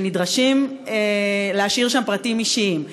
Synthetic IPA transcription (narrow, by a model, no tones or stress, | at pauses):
nidʁaʃimeleaʃiʁʃampʁatimiʃiim